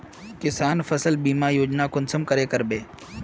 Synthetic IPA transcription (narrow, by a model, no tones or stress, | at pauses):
kɪsaːnfəsəlbiːmajoːd͡ʒnakʊnsəmkəɾeːkəɾbeː